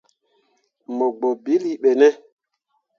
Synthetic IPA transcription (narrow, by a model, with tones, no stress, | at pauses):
mɔ˨ɡ͡bɔ˨bi˨˦li˦ɓɛ˨nɛ˦